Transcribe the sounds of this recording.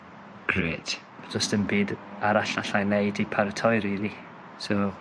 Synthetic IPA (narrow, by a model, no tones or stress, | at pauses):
ɡ̥reːd̥ | d͡ʒɔstənbiːdaɾaɬaɬajnejdipʰartʰɔɨɾiːði | so